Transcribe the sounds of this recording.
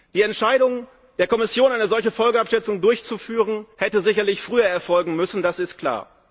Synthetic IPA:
d̥iːɛntʃaɪɾʊŋ | d̥eːɐkʰɔmɪsjoːnʔaɪnəzɔlçəfɔlɡəapʃɛt͡sʊŋdʊɐçt͡sufyːʁənhɛtəzɪçɐlɪçfʁ̥yːɐɛɐfɔlɡŋ̩mʏsn̩dasɪstkʰl̥a̰ːɐ

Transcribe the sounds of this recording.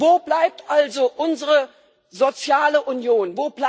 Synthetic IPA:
voːblaɪp̚tʔalzoʔʊnzəʁə | zot͡sjaːləʔunjoːnvoːb̥l

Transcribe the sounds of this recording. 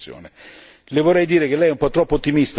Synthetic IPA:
jo̰ːne | lɪvorːɛjd̪iːɾek̟elɛjɛumpɔt̪ːɾɔpːoot̪ːimist̪

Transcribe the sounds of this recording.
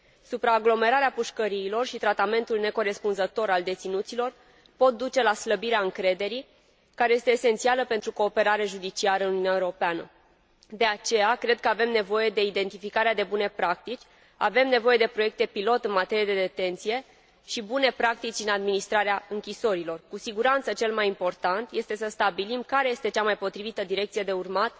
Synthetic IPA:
supɾaːɡlo̞me̞ɾaɾeapuʃkəɾiːlo̞rʃit̪ɾat̪ame̞nt̪ulne̞ko̞ɾe̞spunzət̪o̞ɾald̪e̞t̪sinut̪silo̞r | po̞t̪̚d̪ut͡ʃe̞lasləbiɾeaɨŋkɾe̞d̪e̞ɾi | kaɾe̞je̞st̪eːse̞nt̪sialəpe̞nt̪ɾuko̞ːpe̞ɾaɾe̞ʒud̪it͡ʃiaɾəɨnununʲːaeɾo̞peanə̰ | d̪e̞at͡ʃe̞jakɾe̞d̪̚kəave̞mne̞vo̞je̞d̪e̞id̪e̞nt̪ifikaɾead̪e̞bune̞pɾak̚t̪it͡ʃʲ | a̰ve̞mne̞vo̞je̞d̪e̞pɾo̞je̞k̚t̪e̞pilo̞t̪ɨnmat̪e̞ɾijed̪e̞d̪e̞t̪e̞nt̪sije̞ | ʃibune̞pɾak̚t̪it͡ʃʲɨnad̪minist̪ɾaɾeaɨŋkʲiso̞ɾilo̞rkusiɡuɾant̪sət͡ʃe̞lmajimpo̞rt̪ant̪je̞st̪e̞səst̪abilimkaɾe̞je̞st̪e̞t͡ʃamajpo̞t̪ɾivit̪əd̪iɾe̞k̚t̪sije̞d̪e̞urmat̪

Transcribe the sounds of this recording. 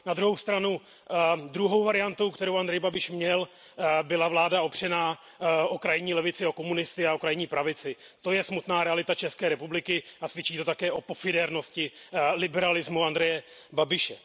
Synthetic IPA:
nad̪ɾuɦowst̪ɾanu | d̪ɾuɦo̞wvaɾɪjant̪o̞wkt̪ɛɾo̞wʔand̪ɾɛjbabɪʃmɲɛl | bɪlavlaːdao̞pr̝̥ɛnaː | ʔokɾajɪɲiːlɛvɪt͡sɪo̞ko̞munɪst̪ɪaokɾajɲiːpɾavɪt͡sɪ | t̪o̞jɛsmut̪naːɾɛalɪt̪at͡ʃɛskɛːɾɛpublɪkɪasvjɛt͡ʃiːt̪o̞t̪akɛːʔo̞po̞fɪdɛɾno̞scɪlɪbɛɾalɪzmuand̪ɾɛjɛ | babɪʃɛ

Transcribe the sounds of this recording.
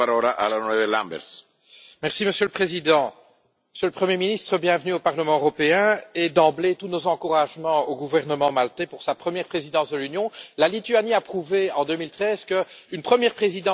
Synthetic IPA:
aɾɔlaʔalanwɛvelãmbɛ̰ɾs | mɛʁsiməsjøləpχezid̪ɑ̃ | məsjøləpχəmjeminist̪χəbjɛ̃vnyopaʁləmɑ̃øʁɔpeɛ̃ed̪ɑ̃blet̪unozɑ̃kuʁaʒmɑ̃oɡuvɛʁnəmɑ̃malt̪epuʁsapχəmjɛʁpχezid̪ɑ̃sd̪əlynjɔ̃lalit̪yaniapχuveɑ̃d̪ømilt̪χɛːzkəynpχəmjɛʁpχezid̪ɑ̃

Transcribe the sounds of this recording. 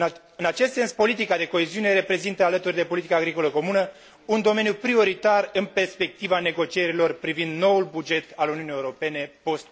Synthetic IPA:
ɨnat͡ʃest̪se̞nspo̞lit̪ikad̪e̞ko̞e̞ziune̞ɾe̞pɾe̞zint̪əalət̪urʲd̪e̞po̞lit̪ikaːɡɾiko̞ləko̞munə | und̪o̞me̞njupɾio̞ɾit̪arɨnpe̞rspe̞k̚t̪ivane̞ɡo̞t͡ʃie̞ɾilo̞rpɾivind̪no̞ulbud͡ʒe̞t̪aluniuniːeuɾo̞pe̞ne̞po̞st̪

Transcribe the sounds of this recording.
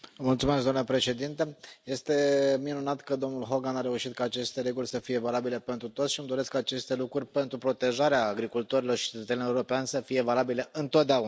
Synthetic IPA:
mult̪sumes̬ɡd̪oamnəpɾe̞ʃe̞d̪int̪əje̞st̪e̞minunat̪kəd̪o̞mnulɦo̞ɡanaɾe̞uʃit̪̚kaːt͡ʃe̞st̪e̞ɾe̞ɡulʲsəfije̞valabile̞pent̪ɾut̪o̞t̪sʃiɨmd̪o̞ɾe̞skaːt͡ʃe̞st̪e̞lukɾurʲpe̞nt̪ɾupɾo̞t̪e̞ʒaɾeaːɡɾikult̪oɾilo̞rʃi̥t͡ʃet̪ət̪seneuɾo̞peanʲsəfije̞valabile̞ʔɨnt̪o̞t̪̚d̪eaun

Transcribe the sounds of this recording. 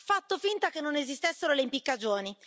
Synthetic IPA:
fat̪ːofint̪akenːonezist̪esːeɾoleimpikːad͡ʒoːni

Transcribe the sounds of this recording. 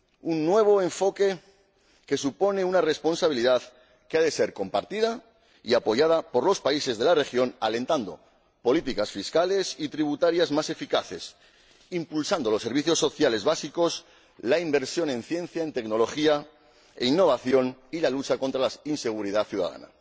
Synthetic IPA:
unːwe̞β̞o̞eɱfo̞ke̞ | ke̞supo̞ne̞unare̞spo̞nsaβ̞iliðað | keaðe̞se̞ɾko̞mpaɾt̪iða | iapo̞ʝað̞apo̞ɾlo̞spaise̞zðe̞lare̞xjo̞nalẽ̞nt̪and̪o̞̰ | po̞lit̪ikasfiskale̞sit̪ɾiβ̞ut̪aɾjazmase̞fikaθe̞s | impulsand̪o̞lo̞sːe̞ɾβiθjosːo̞θjale̞zβasiko̞s | laimbe̞ɾsjo̞nẽ̞nθjẽ̞nθjaent̪e̞kno̞lo̞xia | einːo̞β̞aθjo̞nilalut͡ʃako̞nt̪ɾalainse̞ɣuɾiðaθjuða̰ða̰na̰

